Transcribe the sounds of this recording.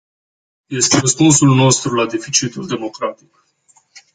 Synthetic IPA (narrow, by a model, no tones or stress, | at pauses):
je̞st̪e̞rəspunsulno̞st̪ɾulad̪e̞fit͡ʃit̪uld̪e̞mo̞kɾat̪ik̚